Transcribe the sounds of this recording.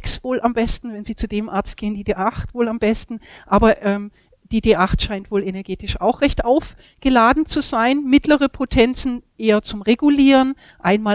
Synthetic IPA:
ksv̥oːlʔambɛstn̩vɛnziːt͡sudeːmʔaɐt͡st̚ɡ̥eːəndiːdeːʔaχtv̥oːlambɛstn̩ʔaːbɐʔɛːm | d̥iːdeːʔaχtʃaɪntv̥oːlenɛɐɡeːtɪʃʔa̰ʊxʁ̥ɛçtʔaʊf | ɡ̥əlaːdn̩t͡suzaɪnmɪtʰləʁəpʰotʰɛnt͡sn̩ʔeːɐt͡sʊmʁeɡuliːʁən | ʔaɪnmaː

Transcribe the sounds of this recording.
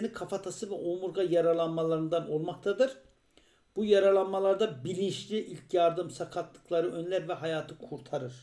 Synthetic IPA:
nikʰafat̪ʰasɯvɛʔomuɾɡajaɾalˠanmalˠaɾɯnd̪ano̞lˠmak̚t̪ʰad̪ɯɾ̥ | b̥ujaɾalˠanmalˠaɾd̪abilʲinʃlʲiʔilʲcjaɾd̪ɯmsakʰat̪ːˠɯ̥klˠaɾɯʔø̞nlʲæɾvɛɦajaːt̪ʰɯkʰuɾt̪ʰaɾɯɾ̥

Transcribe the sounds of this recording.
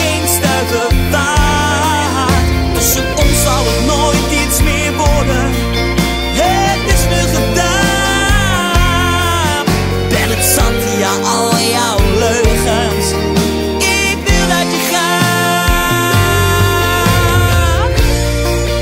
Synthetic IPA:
enstatəta | dsə | ɔnsɑwətnojtitsmɪːɹʋɔɹdən | ɦə | tɪsnyχəda | bɛnətsɑntijaʔɑlˠjawløɥχəns | ɪ | k̚dɪldɑtəχa

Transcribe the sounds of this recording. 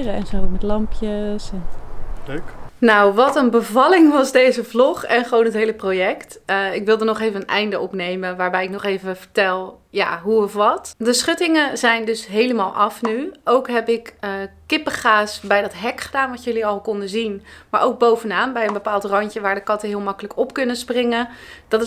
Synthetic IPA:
əɛnzomɛtlɑmpjəsɛndknawʋɑtənbəvɑlɪŋʋɑzdejzəvlɔχɛnχəʋownɦətɦejləprowjɛktɪkʋɪlˠdənɔχejvəənʔɛjndəʔɔpnejmənʋaːɹbɛjɪknɔχejvəvəɹtɛlˠja̰ːɦuɔfʋɑtdəsχʏtɪŋəzɛjndɵsɦejləmaːlˠʔɑfnyowkɦɛpɪkəkɪpəχaːsbɛjdɑtɦɛkχədaːnʋɑtjɵliɑlˠkɔndəzinmaːɹʔowɡ̚bowvənaːnbɛjənbəpaːlˠtrɑncəʋaːɹdəkɑtəɦɪːlˠmɑkələkɔpkɵnəsprɪŋəd̥ɑtɪ

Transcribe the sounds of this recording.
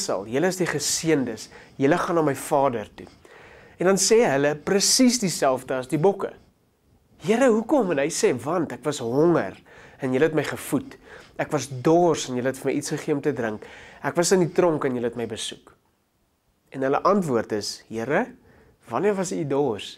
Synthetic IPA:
sɐ̰lˠjələəsdiχəsiəndəsjələχɑnɑːməjfɑːdərtṵ | ɛndɐnsɛɦələprəsisdisælˠfdəɐsdibɔkə̰ | ɦəəɾəɦukɔmənɦɛjsɛvɐntækvɐsɦɔŋə̰r | ɛnjələɦɛtməjχəfutækvɐsdɔːrsənjələɦɛtfəmɛjitsχəχiəomtədrəŋkækvɐsənditrɔŋkənjələɛtməjbəsuk | ɛnɦələ̰ʔɐntvuərtəsɦəəɾə | vɐniərvɐsidɔːrs

